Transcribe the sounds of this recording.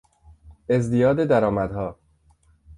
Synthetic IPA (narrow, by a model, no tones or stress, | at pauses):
e̞zd̪ijɒːd̪ed̪æɾɒːmæd̪hɒː